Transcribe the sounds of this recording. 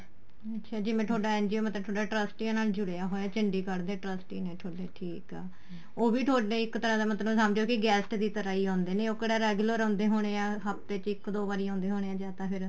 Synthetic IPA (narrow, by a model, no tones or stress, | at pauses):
ətːʃʰaːd͡ʒɪʋẽːʈ̪ʰoːɖaːɛ̃ːnd͡ʒioːmət̪ləbtʰoːɖaːʈɾəsʈiːãːnaːld͡ʒʊɽeːaːɦoːjaːt͡ʃɪɳɖiːkəɽd̪eːʈɾəsʈiːnẽːʈʰoːɖeːʈʰiːkɛː | oːbiːʈʰoːɽnẽːɪkt̪əɾãːd̪aːmət̪ləsəmd͡ʒoːkɪɡɛːsʈd̪iːt̪əɾaːiːãːnd̪eːneːoːkeɽaːɾɛːɡləɾɔ̃ːnd̪eːɦoːɽ̃eːãːɦəpt̪eːt͡ʃɪkd̪oːbaːɾiːãːnd̪eːɦoːɽ̃eːãːd͡ʒaːt̪ãːpʰɪɾ